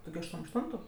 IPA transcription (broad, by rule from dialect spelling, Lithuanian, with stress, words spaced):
ˈtʊ ɡʲɪ ɐʃˈtuɔm ɐʃˈtʊntʊ